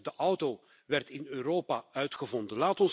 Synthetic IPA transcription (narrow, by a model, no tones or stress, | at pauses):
dəʔʌwto | ʋɛrtɪnøːɾoːpaœɥtxəvɔndənlaːtɔns